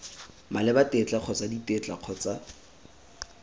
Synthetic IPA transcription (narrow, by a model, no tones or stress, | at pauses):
malɪbatet͡ɬʼaq͡χʰɔt͡saditet͡ɬʼa̰q͡χʰɔt͡sa